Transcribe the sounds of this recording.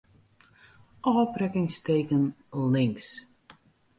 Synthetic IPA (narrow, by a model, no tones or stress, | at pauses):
ʔɔːprɛkɪŋsteːkən | lɪŋs